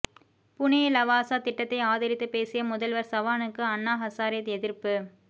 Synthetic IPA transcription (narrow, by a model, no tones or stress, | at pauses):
pʊnejlɐʋaːsaːt̪ɪʈːɐt̪ːɐɪaːðɐɾɪt̪ːɯpeːsɪjɐmʊðɐlʋɐɾsɐʋaːnɯkːɯɐnːaːɦɐsaːɾɪjɐt̪ɛðɪɾpɯ